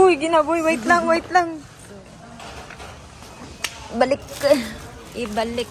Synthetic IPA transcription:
ʊjɡɪnabʊjwajɪt̪laŋwajɪt̪laŋ | bɐlɪkː | ʔɪbalɪk̚

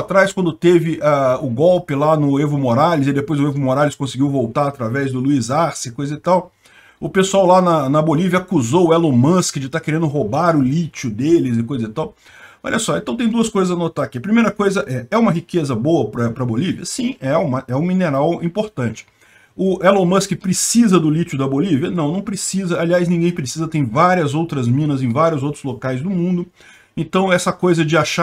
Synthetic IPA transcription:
at̪ɾajskwɐ̃nd̪ʊt̪evɪʔaʊɡɔwpɪlanʊevʊmoɾalɪzɪd̪epojzʊevʊmoɾalɪskõsɪɡiwvowt̪aɾat̪ɾavɛzd̪ʊluizaɾsɪkojzɐzɪt̪aw | ʊpesuawlanɐnɐboliviɐakuzowɛlõmɐ̃skɪd͡ʒɪt̪akeɾẽnd̪ʊɦobaɾʊlit͡ʃʊd̪elɪzɪkojzɐzɪt̪aw | ɔ̰ʎʲɐsɔẽt̪ɐ̃w̃t̪ẽd̪uɐskojzɐzɐnot̪aɾakiɐpɾimejɾɐkojzɐʔɛɛũmɐɦikezɐboɐpɾɐpɾɐboliviɐsĩɛũmɐʔɛũmineɾawĩpoɾt̪ɐ̃t͡ʃɪ̥ | ʊʔɛlõmɐ̃skɪpɾɪsizɐd̪ʊlit͡ʃʊd̪ɐboliviɐnɐ̃w̃nɐ̃w̃pɾesizɐaliajznĩɡẽj̃pɾesizɐt̪ẽj̃vaɾiɐzowt̪ɾɐzmĩnɐzẽj̃vaɾjʊzowt̪ɾʊzlokajzd̪ʊmũnd̪ʊ | ẽt̪ɐ̃w̃ɛsɐkojzɐd͡ʒɪaʃa

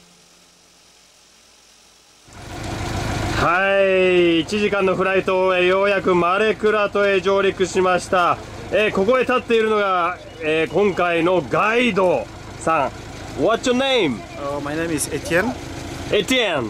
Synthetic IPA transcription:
haiiːt͡ɕiʑikãnːo̞ɸɯ̟ɾait̪o̞ejojakɯ̟maɾe̞kɯ̟ɾat̪o̞e̞d͡ʑo̞ːɾʲikɯ̟ɕimaɕi̥t̪a | eko̞ko̞et̪at̪ːe̞iɾɯ̟no̞ɡa | eːkõ̞ŋkaino̞ɡaid̪o̞ | sãŋ | βatjonẽj̃m | omajnemizet̪ʰiẽn | et̪iẽn

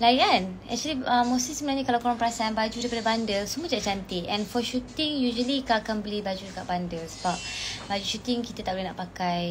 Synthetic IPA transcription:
lajanɛ̰k̚t͡ʃəliəmːosisəmənaɲãkalawkoɾaŋpəɾasaanbad͡ʒudaɾip̬adəbandəlsumuəd͡ʒaʔt͡ʃant̪iʔɛ̃nfɔʃut̪ĩŋjuʒəlikaakanbəlibad͡ʒudəkaʔ̚bandəlsəbap̚bad͡ʒuʃut̪iŋkit̪at̪aʔbolehnaʔpakaj

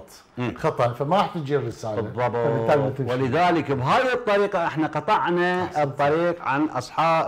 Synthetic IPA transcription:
t̪ˤː | xɑt̪ˤɑfamaɾaħt̪ɪd͡ʒirːɪsaːlbɨaðˤːɑbɪaɡmt̪ɪwɪlɪðaːlɪkbɦaːjɨt̪ˤːɑɾiːqaʔɪħnaqɑt̪ˤɑʕnat̪ˤːɑɾiːqʕanʔɑ̰sˤħɑːb

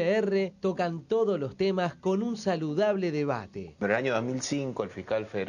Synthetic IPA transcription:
eeret̪okant̪o̞ðoslo̞st̪emasko̞nunsaluðaβleðeβa̰t̪ḛd̪ɾelaɲoðomilsiŋkoelfihkalfeðe

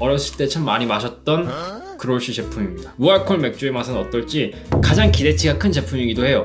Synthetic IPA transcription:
ʌɾjʌs͈ʰɯɭt͈e̞t͡ɕʰamːaɲimaɕʰʌt̚t͈ʌn | kɯɾoɭɕ͈ʰit͡ɕe̞pʰumimɲidamuaɭkʰoɭme̞k̚t͡ɕ͈uemasʰʌnʌt͈ʌɭt͡ɕ͈i | kad͡ʑaŋkide̞t͡ɕʰiɡakʰɯnt͡ɕe̞pʰumiɡidohe̞jo

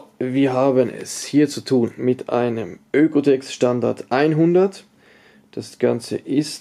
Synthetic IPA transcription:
viːɐɦaːbənɛ̰shiːɐt͡sutʰuːnmɪtʔa̰ɪnəmʔøːkotʰɛksʃtanda̰ɐtʔaɪnɦʊndɐt | d̥asɡ̥ant͡sə̰ʔɪst

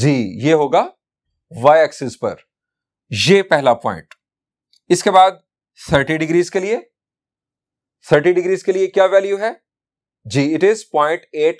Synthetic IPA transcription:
d͡ʒiːjeːɦoːɡaː | ʋaɪɛːksɪspɐ̰ɾ | jeːpɛɦlapɔ̃ːɪ̃ɳʈ | ɪskebaːd̪̚ | t̪ʰəɾʈiɖɪɡɾiːzkelie | t̪ʰəɾʈiɖɪɡɾiːzkeliekjaːʋɛːljuɦɛː | d͡ʒiːɪʈɪzpɔ̃ːɪ̃ɳʈeːʈ

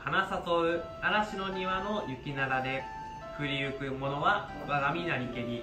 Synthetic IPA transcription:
hanasat̪oɯ̟ | aɾaɕino̞ɲiβano̞jɯ̟kʲinaɾad̪e̞ | kɯ̟ɾʲiɯ̟kɯ̟mo̞no̞βa | oɡaɡamʲinaɲʲike̞ɾʲi

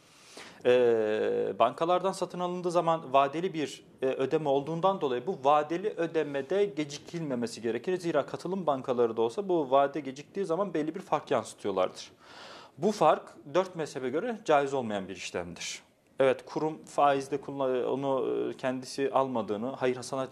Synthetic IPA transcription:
ɛːbaŋkʰalˠaɾd̪ansat̪ʰɯnalˠɯnd̪ɯːzamanvaːd̪elʲibiɾ | ʔød̪e̞mɛo̞lˠd̪uːnd̪and̪o̞lˠajɯbuvaːd̪elʲiʔød̪emɛd̪ɛɟe̞d͡ʒicʰilʲme̞mesiɟe̞ɾecʰiɾziːɾaːkʰat̪ʰɯlˠɯmbaŋkʰalˠaɾɯd̪ao̞lˠsabuvaːd̪ɛɟe̞d͡ʒic̚t̪iːzamanbɛlʲːibiɾfaɾkjansɯ̥t̪ʰɯjo̞lˠa̰ɾd̪ɯɾ̥ | bufaɾkd̪øɾt̪mɛsebɛɟøɾɛd͡ʒaːjizo̞lˠmajanbiɾiʃlʲæ̰md̪iɾ̥ | ɛvɛt̪kʰuɾumfaːizd̪ɛkʰulˠːao̰nucʰɛnd̪isiʔalˠmad̪ɯːnɯhajɯɾhasana

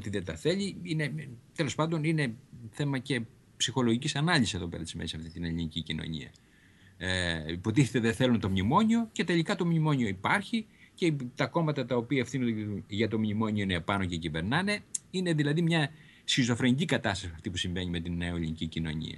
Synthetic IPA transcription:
ot̪iðet̪ɐθe̞ʎiine̞t̪e̞lo̞spɐnd̪o̞nine̞θe̞mɐce̞ | psixo̞lo̞ʝicisɐnɐlisiseðo̞pe̞ɾɐt̪izmesisɐft̪it̪ineliɲicicino̰ɲḭɐ̰ | ipo̞t̪̬iθet̪e̞ðeθe̞lunt̪o̞mɲimo̞ɲio̞ce̞t̪e̞ʎikɐt̪o̞mɲimo̞ɲio̞ipɐɾçi | cet̪ɐko̞mɐt̪ɐt̪ɐopiɐefθinond̪ʝɐt̪o̞mɲimo̞ɲio̞inepɐno̞cecive̞ɾnɐne̞ine̞ðilɐðimɲɐ | sçizo̞fɾe̞ɲicikɐt̪ɐst̪ɐsiɐft̪ipusiɱve̞ɲime̞t̪ineoelʲḭɲicicino̞̰ɲḭɐ̰

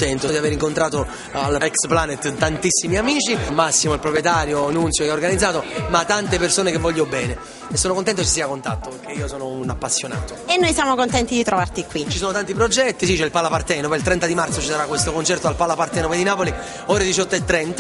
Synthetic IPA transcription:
t̪ɛnt̪od̪iaveːɾiŋkont̪ɾaːt̪o | alɛksplanet̪t̪ant̪isːimiamiːt͡ʃimasːimoilpɾopɾjɛt̪aːɾjoanunt̪sjokeaorɡanid̪zːaːt̪omat̪ːant̪epersoːnekevːɔʎːobɛːne | esːoːnokont̪ɛnt̪ot͡ʃis̬iːakont̪at̪ːopeɾk̟ːeiːosoːnounapːasːjona̰ːt̪oenːojsjamokont̪ɛnt̪id̪it̪ɾovart̪ikwit͡ʃisoːnot̪ant̪ipɾod͡ʒɛt̪ːisit͡ʃɛilpalapart̪ɛːnopeilt̪ɾɛnt̪ad̪imart̪sot͡ʃisaɾakːwest̪okont͡ʃɛrt̪oalpalapart̪ɛːnoped̪inaːpoli | oːɾed̪it͡ʃɔt̪ːoet̪ːɾɛnt̪a

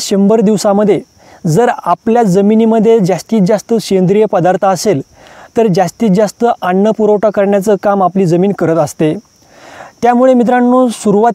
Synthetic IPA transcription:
ɕəmbəɾd̪iʋsãməd̪ʱːje | d͡zəɾapljad͡zəminiməd̪ʱːjed͡ʑast̪iːt̪̚d͡zast̪əɕend̪ɾijəpəd̪aɾt̪ʰaəsel | t̪əɾd͡ʑast̪iːt̪̚d͡zast̪əʔanːəpuɾowʈakəɾɳjat͡səkamapliːd͡zəmiːnkəɾət̪əst̪e | t̪jamuɭemit̪̬ɾãnːũːsuɾuʋa

